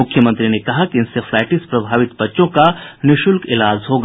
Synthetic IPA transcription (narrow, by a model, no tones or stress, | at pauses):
ʊkʰːjəmə̃nt̪ɾinekɐɦakiɪnsefʰlɛːʈispɾɐbʱaːʋɪt̪bɐtːʃõkanɪʃʊlkɪlaːd͡ʒʱɦoɡ